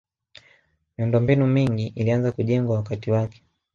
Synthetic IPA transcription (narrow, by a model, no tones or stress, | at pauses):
miundɔmbinumiŋɡiʔilianzakuʄɛŋɡwawakatiwakɛ̥